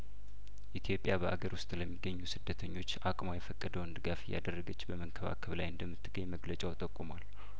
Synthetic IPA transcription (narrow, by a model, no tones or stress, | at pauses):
ʔit̪ʰjo̞pʼjabəʔaɡəɾwʊst̪ʼləmːiɡːəɲːusɨd̪ːət̪ʰəɲːo̞t͡ʃːʔakʼmajɛfəkʼːəd̪əwnd̪ɨɡafɪjːa̰d̪ərːəɡət͡ʃːbəməŋkʰəβa̰kʰəβlajɨnd̪əmːɨt̪ʰːɨɡ̥əɲməɡlət͡ʃʼawt̪ʼəkʼːumal